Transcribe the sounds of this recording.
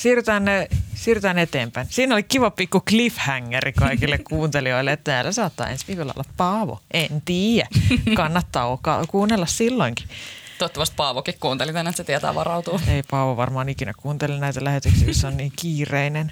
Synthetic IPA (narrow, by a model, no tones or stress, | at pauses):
siːrøt̪æːnnesiːrjøt̪ænet̪eːmpæinsiːnolikiʋɑppikːuklifhæŋːærikɑikilːekkuːnt̪elioilːˑeet̪ːænæːlːæsɑːt̪ːɑ̰ːḛnsʋiːʋelːɑo̰lːɑppɑːʋo̰ʔent̪iːjækɑnːɑt̪ːɑːokːɑkuːnːelːɑssilːoiŋki̥t̪ot̪ːɑʋɑst̪̚pɑːʋokikkuːnt̪elit̪ænænt̪set̪iet̪æ̰ːʋɑ̰rɑut̪uːeipɑːʋoʋɑrmɑːnikinækuːnt̪elːenæit̪ælæhet̪yksiːmisːonniːŋkiːreinen